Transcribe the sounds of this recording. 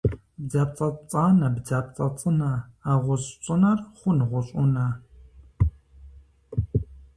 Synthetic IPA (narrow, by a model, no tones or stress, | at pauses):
bd͡zaːp̚t͡sʼɐt͡sʼaːnɐbd͡zaːp̚ʼt͡sʼɐt͡sʼɨnɐaːʁʷɔzt͡ʃʷʼɨnɐrχʷʊnɨʁʷɔɕʷʼʊnɐ